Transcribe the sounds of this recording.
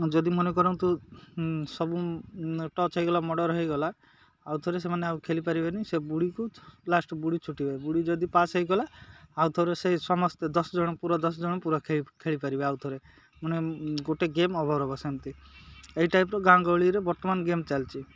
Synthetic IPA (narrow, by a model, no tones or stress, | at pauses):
d͡ʒɔd̪imɔnekɔɾɔw̃t̪u | sɔbu | ʈɔt͡ʃɦɔjɡɔlamɔɽɔɾɦɔjɡɔlaː | wt̪ʰɔɾes̬emaneaukʰelipaɾibenisebuɽikuplasʈɔbuɽit͡ʃʰuʈibebuɽid͡ʒɔd̪ipasɦɔjɡɔlaaut̪ʰɔɾesesɔmɔst̪ed̪ɔsɔd͡ʒɔɽ̃ɔpuɾɔd̪ɔsɔd͡ʒɔɽ̃ɔpuɾɔkʰekʰeɭipaɾibeawt̪ʰɔɾe | mɔneɡoʈeɡemɔbʱɔɾɦɔbɔsemt̪ieiʈajpɾɔɡãŋɡɔɭiɾebɔɾt̪ɔmanɡemt͡ʃalt͡ʃʰi